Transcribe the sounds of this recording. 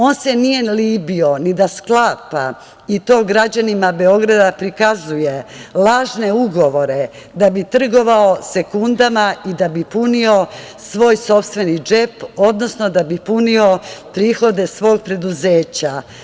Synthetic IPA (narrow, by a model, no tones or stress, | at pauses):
o̞ːnsenije̞liːbio̞nid̪asklaːpa | it̪o̞ːɡɾad͡ʑanimabe̞o̞ɡɾad̪apɾikazujelˠaːʒne̞uɡo̞ʋo̞ɾe̞ | d̪abit̪r̩ɡo̞ʋaose̞kund̪amaid̪abipunio̞ | sʋo̞ːjso̞pst̪ʋe̞nid͡ʒepo̞d̪no̞sno̞d̪abipunio̞pɾiːxo̞d̪e̞sʋo̞ːɡ̚pɾe̞d̪uze̞ːt͡ɕa